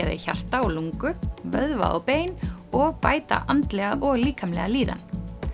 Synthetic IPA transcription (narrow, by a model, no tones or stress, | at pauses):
ɛɾa̰ça̰r̥t̪aɔluŋkʏvœðva̰ɔ̰peːjnɔɣpaːjt̪a̰ʔant̪lɛɣaʔɔɣliːkʰamlɛɣaliːða̰n